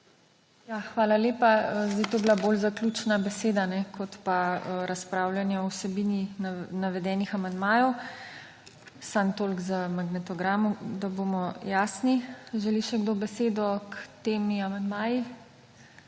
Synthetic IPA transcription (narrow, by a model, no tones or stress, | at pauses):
jaːxʋaːlaleːpaəzd̪ajt̪oːblabolzaklʲut͡ʃnabɛseːd̪anɛkʰɔt̪paəɾaspɾaːwljanjɛɔwsɛbiːninaʋɛd̪ɛːnixamand̪maːjɔw | sant̪oːlɡzamaɡnɛt̪ɔɡɾaːmud̪abomɔjaːsniʒɛliʃɛɡd̪obɛseːd̪ɔkt̪eːmiamand̪maːji